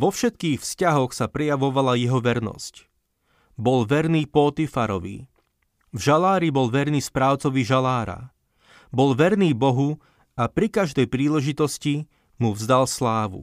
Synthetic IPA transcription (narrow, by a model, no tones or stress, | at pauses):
ʋɔfʃɛt̪kiːxfscaɦɔxsapɾɛjaʋɔʋalajɛɦɔʋɛɾnɔ̰sc | bɔlʋɛɾniːpɔt̪ifaɾɔʋḭ | vʒalaːɾibɔlʋɛɾniːspɾaːʊt͡sɔʋiʒalaːɾa̰ | bɔlʋɛɾniːbɔɦu | apɾikaʒd̪ɛjpɾiːlɛʒit̪ɔsci | muvzd̪alslaːʋṵ